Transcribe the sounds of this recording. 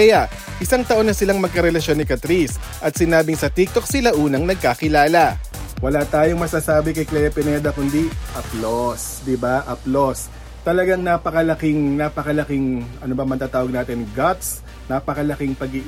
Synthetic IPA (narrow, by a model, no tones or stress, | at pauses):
ɛjɐ | ʔɪsaŋt̪ɐʔo̞nːɐsɪlaŋmɐɡ̚kɐɾɛlɐʃo̞nːɪkɐt̪ɾis | ʔɐt̪̚sɪnaːbɪŋsɐt̪ik̚t̪o̞k̚sɪlaʔuːnɐŋnɐɡ̚kakɪlaːlɐ | wɐlaːt̪aːjoŋmɐsasaːbɪkɐjklɛjɐpɛnɛd̪ɐkʊnd̪iʔɐplos | d̪ɪbaʔɐplos | t̪ɐlɐɡaŋnaːpɐkɐlɐkɪŋnaːpɐkɐlɐkɪŋʔɐnobɐmɐnt̪aːt̪aːwɐɡ̚naːt̪ɪnɡɐt̪s | napɐkɐlɐkɪŋpɐɡɪ